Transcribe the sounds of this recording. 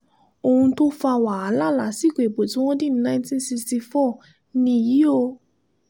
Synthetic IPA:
o˧hũ˧to˦fa˧wa˨a˨˧˦la˦˨la˨˦si˦˨ke˨ɡ͡bo˨tĩ˨˦w̃ɔ̃˦dĩ˦nã˦ntĩ˦nsi˧sti˧fɔ˦˨ | nĩ˧˨ji˨˦o˧

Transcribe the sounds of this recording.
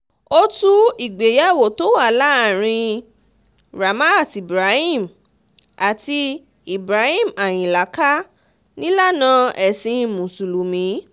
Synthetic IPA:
o˧tu˦i˨ɡ͡be˨ja˦˨wo˨to˦wa˦˨la˨˦˨ɾ̃ĩ˧ | ɾa˨ma˦˨ti˨bɾa˨˦hĩ˦˨m | a˨ti˧ | i˨bɾa˨˦hĩ˦˨ma˨j̃ĩ˨la˨˦ka˦ | nĩ˦la˦˨nã˧˦ɛ˨sĩ˧˨mũ˨su˨lu˨mĩ˨˦

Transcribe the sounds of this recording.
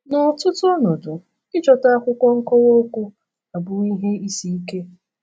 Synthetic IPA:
nʊ˨tʊ˦tʊ˦nʊ˨dʊ˨ | ɪ˦t͡ʃɔ˨ta˦a˦kʷʊ˦kʷɔ˦ŋ̩˦kɔ˦wo˦kʷʊ˦ | a˨bʊ˨i˦ɦe˦i˦si˦i˦ke˦

